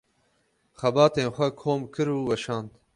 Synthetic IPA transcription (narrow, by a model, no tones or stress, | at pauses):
xɐbɑːt̪eːnxʷɐkʰoːmkʰɨɾuːwɛʃɑːnd̪